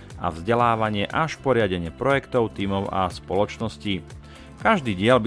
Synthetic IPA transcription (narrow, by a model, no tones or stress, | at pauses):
a̰vzɟɛlaːʋaɲɪɛʔaʃpɔɾɪaɟɛɲɪɛpɾɔjɛkt̪ɔʊt̪iːmɔʊa̰spɔlɔt͡ʃnɔsci | kaʒd̪iːɟɪɛlb